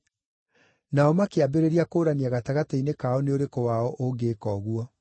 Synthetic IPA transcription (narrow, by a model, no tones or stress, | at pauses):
naɔmakeabeɾeɾiakoːɾaniaɣataɣatainekaɔneoɾekowaɔʔoɡeːkɔɣuɔ